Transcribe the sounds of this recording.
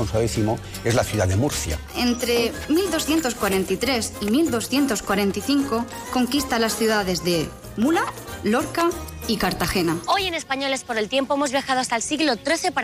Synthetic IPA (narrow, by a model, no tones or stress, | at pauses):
onswaðeθimo | e̞zlaθjuðaðemuɾθja̰ | e̞nt̪ɾe̞ | mild̪o̞sθje̞nt̪oskwaɾẽ̞nt̪it̪ɾe̞simild̪o̞sθje̞nt̪o̞skwaɾẽ̞nt̪iθiŋko | ko̞ŋkist̪alasθjuðaðe̞zðe̞ | mulalo̞ɾka | ikaɾt̪axe̞nao̞jene̞spaɲo̞lespoɾe̞lt̪je̞mpoemozβjaxaðoast̪alsiɣlot̪ɾe̞θe̞pa